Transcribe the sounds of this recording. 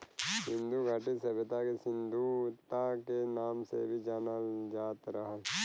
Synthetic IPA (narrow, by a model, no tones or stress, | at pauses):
sɪ̃nd̪uɡʱaːʈisɐbɪt̪akesɪ̃nd̪ʱut̪akenaːmsḛbʱid͡ʒaːnad͡ʒaːt̪ɾəɦəl